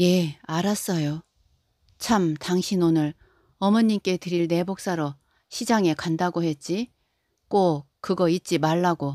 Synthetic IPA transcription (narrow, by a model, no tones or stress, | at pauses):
je̞aɾas͈ʌjo | t͡ɕʰamtaŋɕʰinonɯɭ | ʌmʌɲimk͈e̞tɯɾiɭne̞bok̚s͈aɾʌ | ɕʰid͡ʑaŋe̞kandaɡohe̞t̚t͡ɕ͈i | k͈o | k͈ɯɡʌit̚t͡ɕ͈imaɭːaɡo